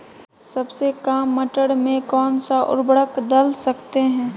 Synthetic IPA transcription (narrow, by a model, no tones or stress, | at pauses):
sɐbsekaːmːəʈəɽmẽkɔːnsaʔʊ̰ɾbɽəkd̪əlsɐkt̪eɦɛ̃ː